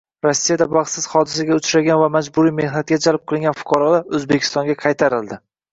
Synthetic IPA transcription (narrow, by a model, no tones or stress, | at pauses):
ɾosːijad̪abɑχt̪sɪz̥χɒd̪ɪs̬aɡʲaʊt͡ʃɾaɡʲanvamad͡ʒbʊɾijme̞hnat̪̚ɡʲad͡ʒalp̚qʰɨlˠɪŋɡʲanfʊ̥qʰɑɾɒlaɵzbekʲʰɪ̥st̪ɒŋɡʲaqʰɑjt̪ʰaɾɪld̪ɪ